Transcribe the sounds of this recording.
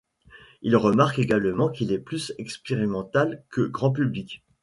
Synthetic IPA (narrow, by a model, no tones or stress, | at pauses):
ilʁəmaʁkeɡalmɑ̃kilɛplysɛkspeʁimɑ̃t̪alkəɡʁɑ̃p̬yblik